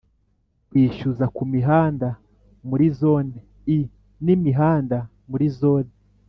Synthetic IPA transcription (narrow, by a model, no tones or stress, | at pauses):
kwiːʃuzakumiɦaːnda | muɾizo̞ːne | i | nimiɦaːnda | muɾizo̞ːne